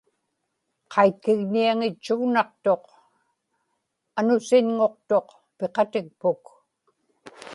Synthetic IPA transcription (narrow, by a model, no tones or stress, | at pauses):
qʰɑjt̪̚kɪɣniaŋɪt͡ʃːuɣnɑq̚t̪o̞q | anʊsɪɲŋo̞q̚t̪o̞q | peqɑt̪ɪk̚pʊk